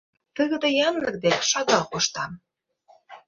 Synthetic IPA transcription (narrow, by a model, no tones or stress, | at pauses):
t̪əɣə̆d̪ĕjɑnlə̆k̚d̪eʃɑɡɑqoʃt̪ɑm